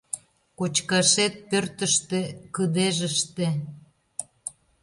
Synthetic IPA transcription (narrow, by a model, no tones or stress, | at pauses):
kot͡ɕkɑʃet̪̚pørt̪əʃt̪ĕkəd̪eʒə̆ʃt̪e